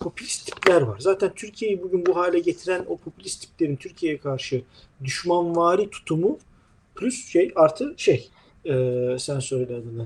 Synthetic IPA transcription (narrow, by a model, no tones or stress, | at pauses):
pʰo̞pʰylʲist̪ʰi̥plʲæɾvaɾzaːt̪ʰænt̪ʰyɾcʰije̞jibuɟynbuɦaːlʲɛɟe̞t̪ʰiɾæno̞pʰo̞pʰylʲist̪ʰi̥plʲe̞ɾimt̪ʰyɾcʰije̞jɛkʰaɾʃɯ | d̪yʃmanvaːɾit̪ʰu̥t̪ʰumu | pʰlʲysʃejaɾt̪ʰɯʃej | ɛːsænsøɾilʲɛad̪ɯnd̪a